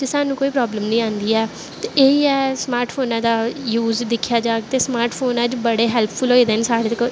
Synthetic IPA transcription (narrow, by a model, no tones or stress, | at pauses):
d͡ʒeːsaːnũːkoːiːpɾɔːbləmnəĩːãːnd̪iːɛː | t̪eeiːɛːsmaːɾʈpʰoːnãːd̪aːjuːzd̪ɪkʰjaːd͡ʒaːɡt̪eːsmaːɾʈpʰoːnaːd͡ʒbəɽeːɦɛːlpʰpʰʊlɦoːeːd̪eːnsaːɽeːt̪ək